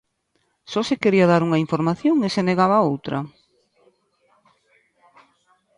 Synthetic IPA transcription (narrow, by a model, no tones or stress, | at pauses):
sɔsekeɾiɐðaɾuŋɐiɱfoɾmaθjoŋeseneɣaβaowt̪ɾʔɐ